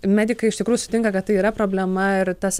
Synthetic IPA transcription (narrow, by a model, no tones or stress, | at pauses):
mʲæːd̪ʲɪkɐɪɪʃt̪ʲɪkɾuːjuʊsʊ̥t̪ʲɪŋkɐkɐt̪̚tɐɪiːɾɐpɾoːbʲlʲɛmɐɪɾt̪ɐs